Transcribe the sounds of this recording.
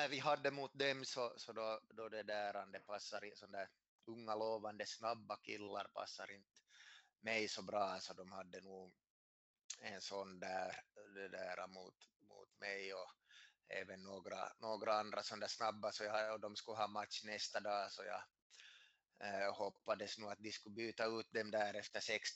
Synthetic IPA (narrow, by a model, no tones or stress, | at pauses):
nævɪɦɑd̪ːəmuːt̪̚d̪ɛmsɔsɔd̪ɔd̪ɔd̪ɛd̪æːɾɑnd̪ɛpʰɑsːɑɾɪsɔnd̪æːɾ | ɵŋːaloːʋand̪əsnɑbːakʰɪlːɑɾpʰɑ̰sːɑɾɪnt̪ | mɛjsɔbɾɑːsɔd̪ɔmhɑd̪ːənuː | ɛnsɔnd̪æːɾd̪ɛd̪æːɾʔamuːt̪ | mṵːt̪mɛjɔ | ḛːvənːoːɡɾa̰noːɡɾaand̪ɾasɔnd̪æsnɑbːasɔjɑɔd̪ɔmskɵɦɑːmat̪ʃnɛst̪ad̪ɑːsɔjɑ̰ː | hɔpːad̪əsnuːɑt̪̚d̪ɪskʉbyːt̪ɑʉːt̪̚d̪ɛmd̪æːɾɛft̪əʂɛks